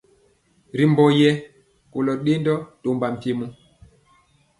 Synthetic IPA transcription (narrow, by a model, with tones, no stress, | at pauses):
ɾi˨mbɔ˨jɛ˦ | ko˨lɔ˨ɗe˦ndɔ˦to˨mba˨m̩˨ti˨mu˦